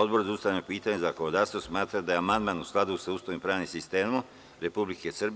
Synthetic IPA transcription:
od̪bo̞ɾzaust̪avjanopiːt̪aɲezakoʋod̪aːst̪osmaːt̪ɾad̪ajeamand̪maːnusklˠad̪usaust̪oimpɾaːʋnimsist̪eːmo | ɾe̞publikesrb

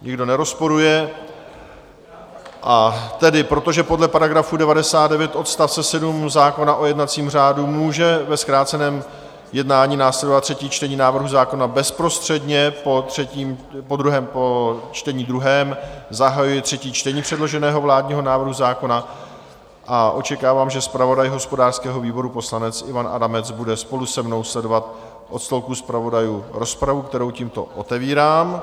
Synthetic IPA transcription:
ɲɪɡdo̞nɛɾo̞spo̞ɾujɛ | ʔat̪ɛdɪpɾo̞t̪o̞ʒɛpo̞dlɛpaɾaɡɾafudɛvadɛsaːtd̪dɛvjɛt̪ʔo̞t̪st̪afsɛsɛdumzaːko̞naʔo̞jɛdnat͡siːmr̝aːdumuːʒɛvɛskɾaːt͡sɛnɛːm | jɛdnaːɲiːnaːslɛdo̞vat̪ːr̥ɛciːt͡ʃt̪ɛɲiːnaːvr̩ɦuzaːko̞nabɛspɾo̞st̪r̝̥ɛdɲɛpot̪r̝̥ɛciːmpod̪ɾuɦɛːmpot͡ʃt̪ɛɲiːd̪ɾuɦɛːmzaɦajujɛt̪r̝̥ɛciːt͡ʃt̪ɛɲiːpr̥ɛdlo̞ʒɛnɛːɦo̞vlaːdɲiːɦo̞naːvr̩ɦuzaːko̞na | ʔaʔo̞t͡ʃɛkaːvaːmʒɛspɾavo̞dajɦo̞spo̞daːr̥skɛːɦo̞viːbo̞ɾupo̞slanɛt͡sʔɪvanʔa̰damɛt͡sbudɛspo̞lusɛmno̞wslɛdo̞vat̪̚ | ʔo̞t̪st̪o̞lkuspɾavo̞dajuːɾo̞spɾavukt̪ɛɾo̞wciːmt̪o̞̰ʔot̪ɛviːɾaːm

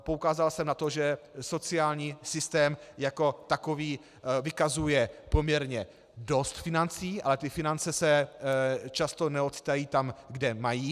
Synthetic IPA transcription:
poukaːzalsɛmnat̪o̞ʒɛso̞t͡sɪaːlɲiːsɪst̪ɛːmjako̞t̪akoviː | vɪkazujɛpomɲɛɾɲɛ | do̞st̪fɪnant͡siːʔa̰lɛt̪ɪfɪnant͡sɛsɛ | t͡ʃast̪o̞nɛo̞t̪t͡si̥t̪ajiːt̪amɡdɛmajiː

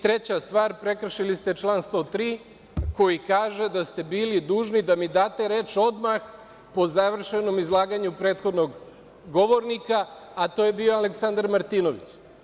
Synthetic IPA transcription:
t̪ɾe̞t͡ɕast̪ʋaːɾpɾe̞kr̩ʃilist̪e̞t͡ʃlˠaːnst̪o̞t̪ɾiː | ko̞jikaːʒe̞d̪ast̪e̞biːlid̪uːʒnid̪amid̪aːt̪e̞ɾe̞ːt͡ʃo̞d̪max | po̞zaʋr̩ʃe̞no̞mizlˠaːɡaɲupɾe̞ːt̪xo̞d̪noɡ | ɡo̞ʋo̞ɾnikaː | t̪o̞jebio̞aleksand̪aɾmaɾt̪iːnoʋḭt͡ɕ

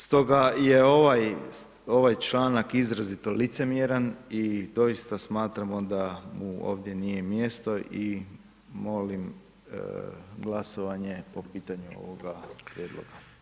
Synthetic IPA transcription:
st̪o̞ɡajeoʋaj | o̞ʋajt͡ʃlaːnakizɾazit̪o̞lit̪se̞mjeɾanid̪o̞ist̪asmaːt̪ɾamod̪amuo̞̰ːʋd̪je̞nijemje̞st̪o̞ʔi | mo̞lim | ɡlˠasoʋaɲe̞po̞piːt̪aɲuo̞̰ʋoɡapɾjed̪lˠo̰ɡa

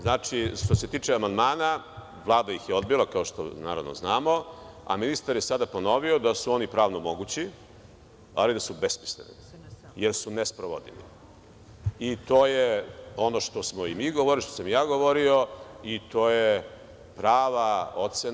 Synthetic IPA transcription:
znaːt͡ʂiʃt̪ose̞t̪iːt͡ʂeamand̪maːna | ʋlˠaːd̪aixjeo̞d̪bilakao̞ʃt̪o̰na̰ːɾa̰ʋno̰znaːmo̞a̰minist̪aɾjesad̪apo̞no̞ʋiod̪asuo̞nipɾaːʋnomo̞ɡut͡ɕi | a̰lid̪asubespi̥slenḭ | jeɾsunespɾoʋo̰d̪ḭlḭ | it̪o̞ːjeo̞noʃt̪osmoimiːɡoʋoɾiʃt̪osamjaːɡoʋo̞ɾio̞it̪oːje | pɾaːʋaot̪se

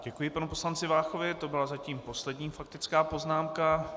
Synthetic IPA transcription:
ɟɛkujɪpanupo̞slant͡sɪvaːxo̞vɪt̪o̞bɪlazaciːmpo̞slɛdɲiːfak̚t̪ɪt͡skaːpo̞znaːmka

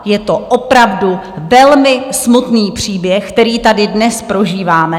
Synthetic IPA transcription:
jɛt̪o̞ʔopɾavduvɛlmɪsmut̪niːpr̥iːbjɛxk̚t̪ɛɾiːt̪adɪdnɛspɾo̞ʒiːvaːmɛ

